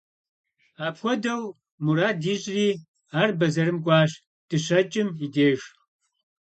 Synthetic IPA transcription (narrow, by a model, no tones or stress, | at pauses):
aːpxʷɔdɐw | muɾaːdiːʑʼriː | aːrbɐzɐɾɨmɡʷʼɑːɕ | d̥ɨɕɐt͡ʃʼɪmideːʒ